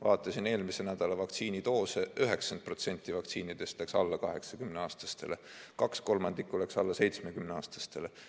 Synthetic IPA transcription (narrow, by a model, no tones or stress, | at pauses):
vɑːt̪ːˑɑsine̞ːlmisenæd̪̥ɑlɑvɑkt̪siːnit̪o̞ːseyɦe̞ksɑnd̪̚pro̞t̪se̞nʲt̪ːˑivɑk̚t̪siːnid̪̥e̞st̪ˑlæksɑlːɑkɑɦe̞ksɑkymneɑːst̪ɑ̥st̪e̞le̞ | kɑksko̞lmɑnd̪̥ikːˑole̞ksɑlːɑse̞jt̪smekymneɑːst̪ɑ̥st̪e̞le